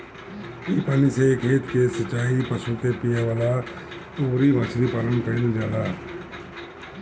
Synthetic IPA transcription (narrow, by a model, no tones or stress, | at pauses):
iːpaːnisekʰeːt̪kesət͡ʃːaːipəsut̪epijaʋaːla | oːɾibəsʰɾipaːlənkəild͡ʒaːlaː